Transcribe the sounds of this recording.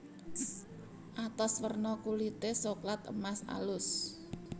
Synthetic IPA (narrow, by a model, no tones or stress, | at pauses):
ʔat̪ɔswərnɔkulit̪esoklat̪ə̰masa̰lʊs